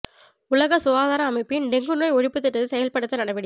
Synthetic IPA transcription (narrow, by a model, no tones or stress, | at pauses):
ʊlɐɣɐsʊʋaːðaːɾɐɐmɐɪpːɯjnd̪ɛŋɡɯnoːjɔɻɪpːɯt̪ːɪʈːɐðɯsɛjɐlpɐɽɯt̪ːɐnɐɽɐʋɪɽɪ